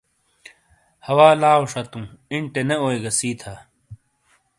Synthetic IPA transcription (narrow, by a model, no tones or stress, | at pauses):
hɐwaːlaːuʂɐt̪ũːiɳʈeneoːeɡɐsiːt̪ʰaː